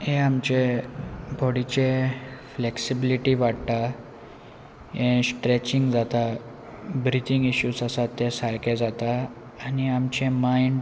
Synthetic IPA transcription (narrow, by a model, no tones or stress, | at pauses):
ɦẽamt͡ɕe | bʱɔɽit͡ɕefleksibiliʈiʋaɽt̪a | ɦẽsʈɾet͡ɕiŋɡd͡zat̪a | bɾit̪iŋɡiɕuːsasat̪ːesaɭked͡zat̪aː | niamt͡ɕemaiɳɖ